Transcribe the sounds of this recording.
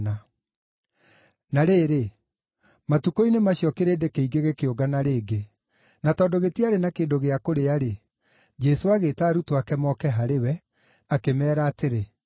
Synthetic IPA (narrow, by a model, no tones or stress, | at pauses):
na | naɾeːɾe | matukoinemaɕiɔkeɾeːdekeiɡeɣekeoɡanaɾeːɡe | natɔːdoɣetiaɾenakeːndoɣeakoɾeaɾe | d͡ʒɛsoaɣeːtaːɾutowakɛmɔkɛɦaɾewɛ | akemɛːɾaːteɾe